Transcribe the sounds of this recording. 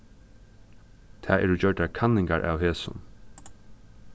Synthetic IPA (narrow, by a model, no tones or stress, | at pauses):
t̪ʰɛːɛ̰ɾud͡ʑœɖakʰanːɪŋkaɹʔa̰ːwheːsʊ̰n